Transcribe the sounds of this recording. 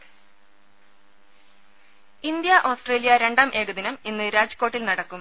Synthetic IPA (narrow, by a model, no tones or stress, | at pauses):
ind̪jɐʔoːsʈre̞ːlijɐɾe̞ɳɖaːmʔe̞ːɣɐðinɐminːɨɾaːd͡ʑɐ̥kːo̞ːʈːilnɐɽɐkːum